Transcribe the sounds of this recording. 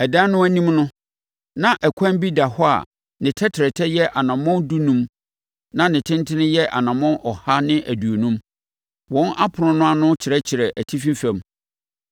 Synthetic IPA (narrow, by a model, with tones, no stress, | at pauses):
ɛ˨dã˦nʊ̃˦æ˦nĩ˦mnʊ̃˦ | nã˦ʔɛ˨kʷʰã˦nbi˦da˨hɔ˦a̰˨ | nɪ̃˨tʰɛ˦tʰɪ˨ɾɛ˨tʰɛ˦jɛ˦ʔa˨nã˨mɔ̃˦ndu˦nũ˦m | nã˦nɪ̃˨tʰɪ̃˦ntʰɪ˦nɪ̃˦jɛ˦ʔa̰˨nã˨mɔ̃˦nʔɔ˨ha˦nɪ̃˦ʔæ˨du˨o˨nũ˦m | wɔ̃˨˦na˦pʰʊ˨ɾʊ̃˨nʊ̃˦a˦nʊ̃˦t͡ɕʰɪ˨ɾɛ˦t͡ɕʰɪ˨ɾɛ˨ʔæ˨tʰi˦fĩ˦fɛ̃˨m